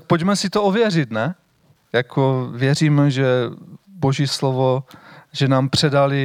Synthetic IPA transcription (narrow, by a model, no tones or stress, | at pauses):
k̚pocmɛsɪt̪oovjɛrɪt̪nɛ | jakʰovjɛriːmʒɛboʒislovoʒɛnaːmpr̝̥ɛdalɪ